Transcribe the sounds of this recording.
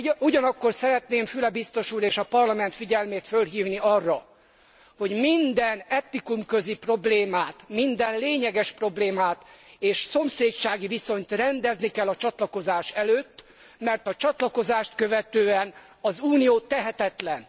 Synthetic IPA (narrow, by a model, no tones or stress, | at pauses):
uɟɒnɒkːo̞rsɛɾɛt̪neːmfylɛbist̪o̞ʃuːɾeːʃɒpɒrlɒmɛn̪t̪fiɟɛlmeːt̪følɦiːvniɒrːɒ | ho̞ɟmind̪ɛnɛt̪nikumkø̞zipro̞bleːmaːt̪mind̪ɛnleːɲɛɡɛʃpro̞bleːmaːt̪eːʃso̞mseːt͡ʃaːɡiviso̞ɲt̪rɛnd̪ɛznikɛlːɒt͡ʃɒt̪lɒko̞zaːʃɛløːt̪ː | mɛrt̪ɒt͡ʃɒt̪lɒko̞zaːʃt̪kø̞vɛt̪øːɛn | ɒzuːnijoːt̪ɛɦɛt̪ɛt̪lɛn